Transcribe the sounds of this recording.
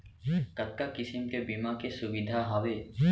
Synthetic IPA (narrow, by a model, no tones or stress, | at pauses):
k̪ət̪̚kakɪsimkebimakesʊbɪd̪ʱaɦaʋe